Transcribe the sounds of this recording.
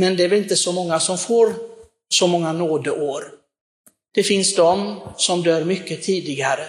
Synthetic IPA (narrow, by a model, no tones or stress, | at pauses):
mɛnd̪ɛvɛɾɪnt̪əsɔmɔŋːasɔmfoːɾ | sɔmɔŋːanoːd̪əʔoːɾ | d̪̥ɛfɪnsd̪ɔmsɔmd̪œːɾmʏkːət̪ʰiːd̪ɪɡaɾə